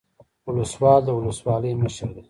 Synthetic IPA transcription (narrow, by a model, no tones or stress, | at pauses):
ʊləswɑːld̪əʊləswɑːləjməʃəɾd̪e